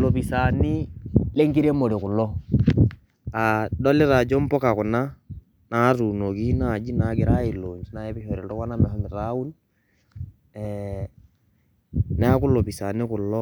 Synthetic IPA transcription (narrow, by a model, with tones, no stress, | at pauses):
lo˨pi˨sa˨ni˦le˦ŋɡi˦ɾe˦mo˨ɾi˨kʊ˨lɔ˦ | a˨dɔ˦lɪ˦ɾa˨d͡ʒɔ˦m˦pɔ˦ka˨ku˨na˦ | na˦ɾu˨no˨ki˦na˨d͡ʒi˦nakɪ˨ɾa˦i˨lo˨ɲd͡ʒi˦na˦ɛ˦pi˦hɔ˨ɾi˨tɔ˦wa˦na˦mɛ˨hɔ˦mɪ˨ɾau˦n | ɛ | nɛ˦a˦kʊ˦lo˨pisa˨nɪ˦kʊ˨lɔ˦